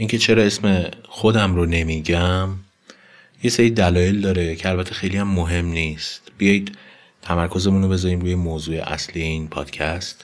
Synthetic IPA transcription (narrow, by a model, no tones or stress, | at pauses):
ʔincʰe̞t͡ʃʰe̞ɾɒːe̞sme̞xo̞d̪æmɾone̞miːɟæm | je̞seɾid̪ælɒːjeld̪ɒːɾecʰe̞ælbæt̪ʰːe̞xejlijæmːoɦe̞mniːst̪b̥ijɒːjid̪̥ | t̪ʰæmæɾkʰo̞ze̞munobe̞zɒɾiːmɾuːjemoːzuːḛʔæ̰slije̞iːnpʰɒ̰ːd̪̥cʰæst̪